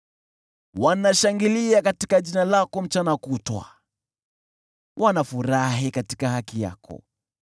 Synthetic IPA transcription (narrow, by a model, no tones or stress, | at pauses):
wanaʃaŋɡiliakatikaʄinalakɔm̩t͡ʃanakutwa̰ | wʔanafuɾaɦikati̥kahakija̰kɔ̰